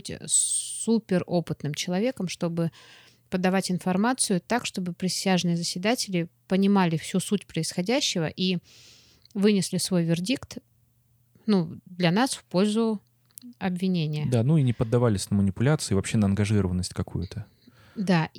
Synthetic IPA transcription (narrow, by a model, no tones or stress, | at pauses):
tʲ | upʲɪro̞pɨt̪nɨmt͡ɕɪlˠɐvʲe̞kəmʂt̪o̞bɨ | pəd̪ːɐvatʲɪnfɐrmat̪sɨjʊt̪akʂt̪o̞bɨpɾʲɪsʲaʐnɨjəzəsʲvʲɪd̪atʲɪlʲɪpənʲɪmalʲɪfsʲusutʲpɾəɪsxɐdʲæɕːɪvə̰ʔi | vɨnʲɪslʲɪsvo̞jvʲɪrdʲikt̪ | nud̪lʲɐnasfpo̞lʲzʊ | ɐbvʲɪnʲenʲɪjəd̪anuinʲɪpəd̪ːɐvalʲɪsʲnəmənʲɪpʊlʲat̪sɨɪːvɐpɕːe̞nəɐnɡɐʐɨɾəvənːəsʲtʲkɐkṵjʊt̪ə | d̪a